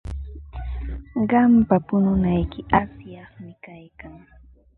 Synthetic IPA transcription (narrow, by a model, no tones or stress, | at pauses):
ɢɑmpapʊnʊnajkɪʔasjɑχmɪkajkaŋ